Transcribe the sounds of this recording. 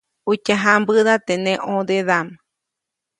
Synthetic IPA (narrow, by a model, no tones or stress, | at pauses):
ut͡ʃaɦambɨðat̪enẽʔõd̪eðam